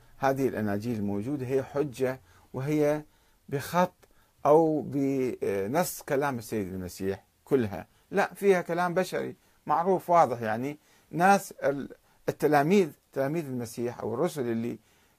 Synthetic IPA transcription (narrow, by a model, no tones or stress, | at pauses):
haːðɪɪlʔanaːd͡ʒiːlɪlmoːd͡ʒuːd̪aɦɪjːaħʊd͡ʒːa | wɦɪjːa | bɪxɑt̪ˤː | ʔawbɪnɨsˤːkalaːmɪsːajːɪd̪ɪlmasiːħ | kʊlːɦa̰ | laʔfiːhakalaːmbaʃa̰ɾḭ | maʕɾuːfwɑːðˤɨħjaʕni | nːaːs | ɪt̪ːalaːmiːðt̪ːalaːmiːðɪlmasiːħʔa̰wɪrˤːʊsʊlʔɪlːi